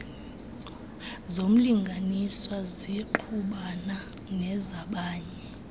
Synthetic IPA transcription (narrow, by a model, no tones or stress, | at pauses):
zom̩liŋɡʱaniswaziǃʰuɓana | nɛzaɓaːɲɛ